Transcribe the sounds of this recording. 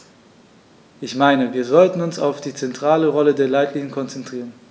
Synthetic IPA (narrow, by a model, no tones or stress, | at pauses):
ʔɪçmaɪnəviːɐzɔltn̩ʊnsa̰ʊfd̥iːt͡sɛntʁ̥aːləʁɔlədeːɐlaɪtliːŋənkʰɔnt͡sɛntʁ̥iːʁən